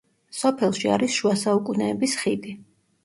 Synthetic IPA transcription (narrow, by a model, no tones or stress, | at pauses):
sɔpʰɛlˠʃia̰ɾisʃuasaukʼunɛːbisχid̪i